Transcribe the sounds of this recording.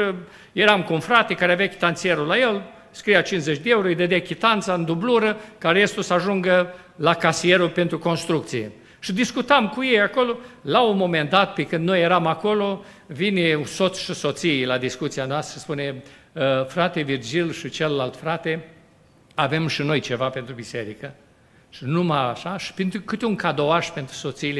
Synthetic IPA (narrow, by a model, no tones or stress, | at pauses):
je̞ɾamkuunfɾat̪e̞kaɾeavakʲi̥t̪ant̪sije̞ɾulajel | skɾijat͡ʃinzet͡ʃʲd̪eeuɾojed̪ed̪ekʲit̪ant̪saɨnd̪ubluɾəkaɾest̪osəaʒuŋɡə | lakasije̞ɾupe̞nt̪ɾuko̞nst̪ɾuk̚t̪sijḛ | ʃid̪iskut̪amkujejako̞lo̞launmo̞mend̪at̪pekɨnd̪no̞jeɾamako̞lo̞ | vineusot̪sʲʃiso̞t̪sijlad̪iskut̪sianoast̪ɾəspune̞ | fɾat̪e̞vird͡ʒilʃit͡ʃelːalt̪fɾat̪e̞ | ave̞mʃino̞jt͡ʃe̞vapent̪ɾubise̞ɾikə | ʃinumaaʃaʃi̥pent̪ɾukɨt̪euŋkad̪oaʃpe̞nt̪ɾu̥so̞t̪siːle